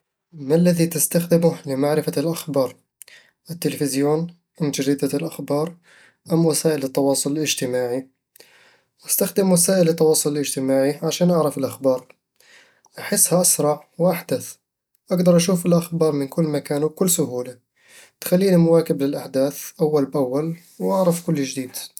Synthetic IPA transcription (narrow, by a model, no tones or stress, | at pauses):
malːæðit̪əst̪axd̪ɪmʊhləmaʕɾɪfalʔaxbɑːɾˤ | ʔət̪ːəlfɪzjuːn | ʔənd͡ʒaɾid̪alʔaxbɑːɾˤ | ʔæmːwasaːʔələt̪ːɑwɑːsˤʊləlʔəʒt̪əmaːʕi | ʔəst̪axd̪əmwasaːʔələt̪ːɑwɑːsˤʊlələʒt̪əmaːʕiʕaʃæːnʔaʕɾɑfəlʔaxbɑɾˤ | ʔaħəsːhæʔasɾˤɑʕwʔaħd̪əθ | ʔaɡd̪ɑɾˤʔaʃufəlʔaxbɑːɾˤmənkʊlːmakæːnukʊlːsʊhuːla | t̪xælːinimʊwækəblɪlʔaħd̪æːθʔawːalbʔawːal | wʔaʕɾəfkʊlːəʒd̪iːd̪